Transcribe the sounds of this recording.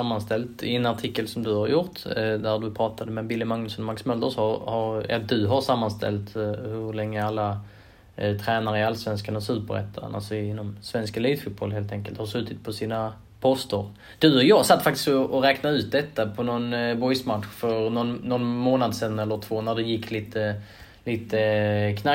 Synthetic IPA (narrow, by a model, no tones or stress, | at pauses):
amːanst̪ɛlt̪ɪɛnaʈʰɪkːəlsɔmd̪ɵhaɾjʊɾʈ̪d̪ædɵpʰɾɑːt̪ʰad̪əmɛbɪlːɪmaŋnɵsɔnmaksmœld̪əɾsɑhaɾɛ̰lːd̪ɵɦaɾʂamːanst̪ʰɛ̰lt̪hɵɾlɛŋːəalːa | t̪ʰɾɛːnaɾəɪalsvɛnskanasʉ̟ːpəɾɛ̰t̪ʰːaɾə̰na̰lsɔɪnːɔmsvɛnskaliːt̪fʊt̪̚bɔlheːlt̪ʰɛŋkəlt̪haɾʂʉ̟ːt̪ʰɪt̪̚pʰɔsiːna | pʰɔst̪əɾ | d̪̥ɵɔjɑːsat̪ːfak̚t̪ɪskɔʔɔɾɛːknaʉ̟ːt̪̚d̪ɛt̪ːapʰɔnɔnbɔjsmat̪ɧfœɾnɔnnːɔnmoːnad̪sɛnɛlːəɾt̪ʰv̥oːnæɖɛjɪkːliːt̪ə | liːt̪əkʰna